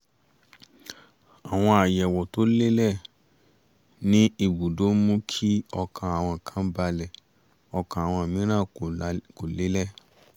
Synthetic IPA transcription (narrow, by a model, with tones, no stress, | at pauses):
a˨w̃ɔ̃˧a˨jɛ˨wɔ˨to˦le˦lɛ˦˨ | nĩ˦i˦˧˨bu˨do˨˦mũ˦kʰi˦ɔ˧kʰã˧˨a˨w̃ɔ̃˧˨kʰã˦ba˧lɛ˨ | ɔ˧kã˨a˨w̃ɔ̃˧˨mĩ˨˦ɾ̃ã˦˨ko˨le˨˦lɛ˦˨